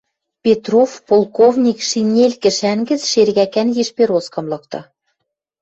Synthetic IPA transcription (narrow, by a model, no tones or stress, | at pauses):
pʲet̪rofpolˠkovnʲikʃinʲelʲkɘ̆ʃæŋɡɘ̆t͡sʃerɣækænjeʃpeɾoskɤ̆mlɤ̆k̚t̪ɤ̆